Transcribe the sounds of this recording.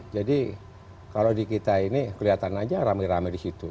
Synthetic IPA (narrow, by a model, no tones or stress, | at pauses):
d͡ʒadi | kalodikit̪ainikəliat̪anad͡ʒaɾamɛɾamɛdisit̪u